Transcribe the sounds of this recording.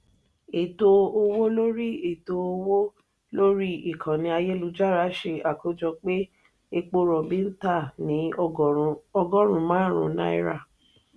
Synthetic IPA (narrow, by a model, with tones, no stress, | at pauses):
e˨to˧o˧wo˦lo˦ɾi˦e˨to˧o˧wo˦ | lo˦ɾi˦i˨kʰã˨nĩ˧a˧je˦lu˧d͡ʒa˦˨ɾa˨˦ʃe˧a˨ko˨˦d͡ʒɔ˧k͡pe˦ | e˧k͡po˧ɾɔ˨bi˦n̩˦ta˦˨nĩ˨˦ | ɔ˧ɡɔ˦ɾ̃ũ˨˦mãː˨˦ɾ̃ṵ̃˨˧˦nã̰˦ḭ˦ɾa̰˦˨